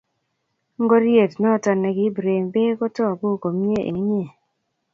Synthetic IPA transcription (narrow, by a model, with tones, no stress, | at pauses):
ŋ˦ɡo˦ɾje˦˨tnɔ˦˨tɔ˨nɛ˨ɡɪ˦bɾe˨ŋbe˦kɔ˦tɔ˦˨ɡo˦˨ko˨mi˦e˦ʔḛ˨ŋi˦ɲe˨